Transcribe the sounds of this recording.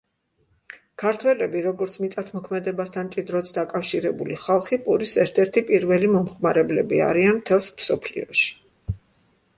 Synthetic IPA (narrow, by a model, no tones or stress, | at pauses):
kʰaɾt̪ʰwɛlɛbiɾɔɡɔɾt̪sʰmit̪sʼat̪ʰmɔkʰmɛd̪ɛbast̪ʰant͡ʃʼid̪ɾɔt̪ʰd̪akʼafʃiɾɛbuliχalˠχipʼuɾisɛɾt̪ʰɛɾt̪ʰipʼiɾvɛlimɔmχmaɾɛblɛbia̰ɾianmt̪ʰɛlˠsmsɔpʰlḭɔʃi̥